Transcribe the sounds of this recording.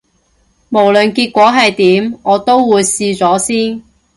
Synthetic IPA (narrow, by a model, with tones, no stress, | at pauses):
mo˨˩wlɵ˨nkiː˧t̚kʷɔː˨˥ɦɐ˨jt̪iː˨˥mɔː˨˧t̪o˥wwuː˨˧jsiː˧t͡sɔː˨˥siː˥n